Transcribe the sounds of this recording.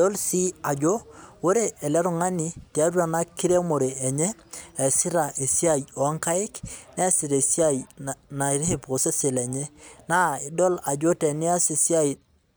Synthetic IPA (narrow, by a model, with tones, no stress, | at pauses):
ɔ˦lsi˦a˨d͡ʒo˦wo˦ɾe˦ʔɛ˨lɛ˦ɾʊ˨ŋa˦ni˨ti˨a˦ɾwa˨na˦kɪ˦ɾe˦mo˨ɾe˨ɛ˨ɲɛː˦˨ | sɪ˦ɾa˨ʔe˨si˦a˦jɔ˨˦ŋka˦ɪ˦knɛ˦sɪ˨ɾe˨si˦a˦jna˨i˨ɾi˦he˨pɾo˨se˦sɪ˨lɛ˨ɲɛ˦na˦ɪ˨dɔ˦la˨d͡ʒo˦tɛ˨nɪ˦a˦si˨si˦a˦i˨